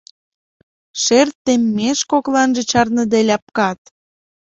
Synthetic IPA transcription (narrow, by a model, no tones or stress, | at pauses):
ʃert̪ːemːeʃkoklɑnʒĕt͡ɕɑrnə̆d̪elʲɑp̚kɑt̪